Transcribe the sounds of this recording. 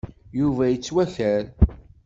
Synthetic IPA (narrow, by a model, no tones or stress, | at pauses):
juvæjət͡sːwæçæɾ